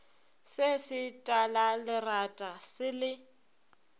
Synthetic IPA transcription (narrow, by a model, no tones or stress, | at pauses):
sɪsɪtʼalalɪratʼasɪlɪ